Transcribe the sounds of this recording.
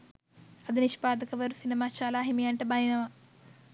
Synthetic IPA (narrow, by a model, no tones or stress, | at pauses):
ɐd̪iniʃpaːd̪ɐkɐʋɐɾusinimaːt͡ʃaːlaːɦimiɐɳʈebajinɐʋɐ